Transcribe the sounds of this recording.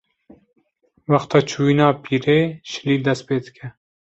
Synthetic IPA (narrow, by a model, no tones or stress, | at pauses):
wɑxt̪ɑːt͡ʃʰuːiːnɑːpʰiːɾeːʃɪ̥liːd̪ɛst̪̚peːd̪ɨkʰʲɛ